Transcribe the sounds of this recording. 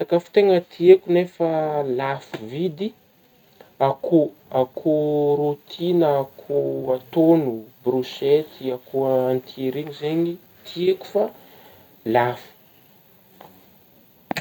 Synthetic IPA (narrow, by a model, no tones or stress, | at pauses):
t̪akəfi̥t̪eŋət̪ʰiekunefəlafuvid̪i | akʰuakʰuɾut̪ʰinəːkʰuat̪onubruʃet̪iakuant̪ieɾinizeɲi | t̪ʰieku̥fa | lafu̥